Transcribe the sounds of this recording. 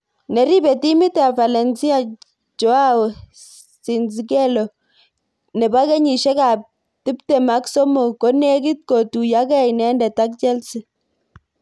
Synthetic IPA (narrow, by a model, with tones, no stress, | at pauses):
nɛ˨ɾi˦be˨ti˦mi˦tea˨fa˨lɛ˨nsi˦a˨ | t͡ʃo˦a˦w | si˨nsikɛ˦lo˨ | nɛ˨ba˦ke˦ɲi˨ʃɛ˦ka˨p̚ | ti˦ptɛ˨ma˦kso˦mo˨ko˦ne˦ki˦t̚ko˨tu˨ja˦kɛ˦˨nɛ˦ndɛ˨ta˦k̚t͡ʃɛ˦lsi˦